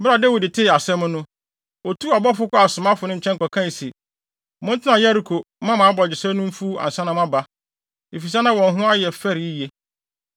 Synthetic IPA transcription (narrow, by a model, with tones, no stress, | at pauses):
bɾa˨dɛ˦wi˨dɪ˨tʰɪ˦˨a˨sɛ̃˦mʊ̃˦nʊ̃˦ | ɔ˨tʰu˦a˨bɔ˦fʊ˦kʊ˦a˨sʊ̃˨mã˦fʊ˨nɪ̃˦ɲ̩˨t͡ɕʰɛ˦ŋ˦kɔ˨kʰã˦i˨se˨ | mʊ̃˦n˦tʰɪ˦nã˨ja˦ɾi˨kʰo˨ | mã˦mã˨˦bɔ˨d͡ʑɪ˨sɛ˦nʊ̃˦m̩˦fu˦a̰˨n˨sã˦nã˨mã˦ba˦ | e˨fi˨s̬a˦nã˦wɔ̃˨n˨ɦʊ̃˦a˦jɛ˨fɛ˦ɾi˨i˦je˦